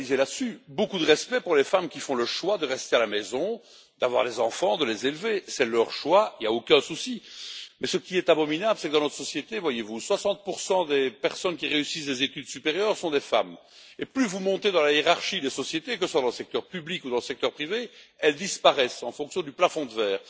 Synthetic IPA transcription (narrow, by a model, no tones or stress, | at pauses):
lizelasybokud̪əʁɛspɛpuʁlefamkʲifɔ̃ləʃwad̪əʁɛst̪ealamɛzɔ̃ | d̪avwa̰ʁlezɑ̃fɑ̃d̪əlezelvesɛlœʁʃwailjaokɛ̃susimɛsəkʲiɛt̪abɔminabləsɛkəd̪ɑ̃nɔt̪χə̥sɔsjet̪evwajevuswasɑ̃t̪̚puʁsɑ̃d̪epɛʁsɔnkʲiʁeysisd̪ezet̪yd̪sypeʁjœːʁsɔ̃d̪efa̰m | eplyvumɔ̃t̪ed̪ɑ̃lajeʁaʁʃid̪esɔsjet̪ek̬əswad̪ɑ̃ləsɛk̚t̪œʁpyblikud̪ɑ̃ləsɛk̚t̪œʁpχiveɛld̪ispaʁɛsɑ̃fɔ̃ksjɔ̃d̪yplafɔ̃d̪əvɛːʁ